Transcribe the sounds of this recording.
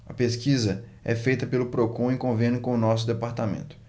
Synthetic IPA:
ɐpeskizɐ | ɛ̰fejt̪ɐpelʊpɾokõĩkõvẽnɪkõʊnɔs̬ʊd̪epaɾt̪amḛ̃nt̪ʊ̥

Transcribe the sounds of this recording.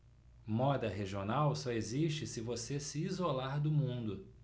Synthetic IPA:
mɔd̪ɐɦeʒionawsɔeziʃt͡ʃɪsɪvosesɪːzolaɾd̪ʊmũnd̪ʊ

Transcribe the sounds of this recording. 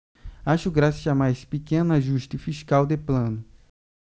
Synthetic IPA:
aʃʊɡɾasɐzamajspikẽnʊaʒuʃt̪ɪfiʃkawd̪eplɐ̃nʊ

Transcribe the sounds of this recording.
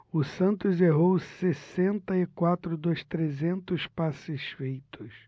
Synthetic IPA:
ʊsɐ̃nt̪ʊzeɦowsesẽnt̪ɐɪkwat̪ɾʊd̪ost̪ɾezẽnt̪ʊspasɪsfejt̪ʊs

